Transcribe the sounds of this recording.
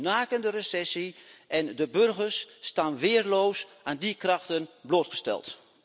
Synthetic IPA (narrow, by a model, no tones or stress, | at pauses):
naːkəndəresɛsiʔɛndəbørɣərsːtaːnʋɪːrloːs | aːndikraxtənbloːtχə̥stɛ̰lˠt